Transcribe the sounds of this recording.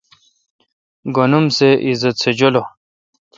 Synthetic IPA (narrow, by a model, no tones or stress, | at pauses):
ɡonumseʔizɐt̪sʰed͡ʑolo